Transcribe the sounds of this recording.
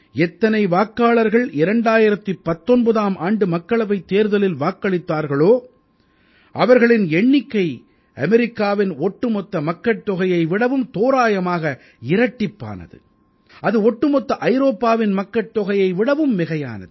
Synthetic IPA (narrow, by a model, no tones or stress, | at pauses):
ɛt̪ːɐnɐɪʋaːkːaːɭɐɾɣɐɭɪɾɐɳɖaːjɪɾɐt̪ːɯpːɐt̪ːɔnbɐðaːmʔaːɳɖɯmɐkːɐɭɐʋɐɪt̪ːeːɾðɐlɪlʋaːkːɐɭɪt̪ːaːɾɣɐɭoː | ʔɐʋɐɾɣɐɭɪnɛɳːɪkːɐɪ | ʔɐmɛɾɪkːaːʋɪnɔʈːɯmɔt̪ːɐmɐkːɐʈʈ̪ːɔɣɐjɐɪʋɪɽɐʋɯmt̪oːɾaːjɐmaːɣɐ | ɪɾɐʈːɪpːa̰ːnɐ̰ðɯ̰ | ʔɐðɯɔʈːɯmɔt̪ːɐʔɐɪɾoːpːaːʋɪnmɐkːɐʈ̪ːɔɣɐjɐɪʋɪɽɐʋɯmːɪɣɐja̰ːnɐ̰ðɯ